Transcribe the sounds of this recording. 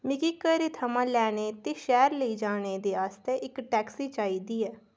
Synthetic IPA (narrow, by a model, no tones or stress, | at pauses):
mɪkiːkəɾet̪ʰəmãːlɛːɽ̃eːt̪eːʃɛːɾləiːd͡ʒaːɽ̃eːd̪eːaːst̪eːʔɪkʈɛːksiːt͡ʃaːiːd̪iːɛː